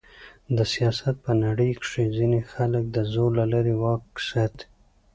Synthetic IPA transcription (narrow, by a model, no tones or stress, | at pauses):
d̪əsijɑsat̪̚pənaɽəjkʂezinexalək̚d̪əzoɾlalaɾewɑksat̪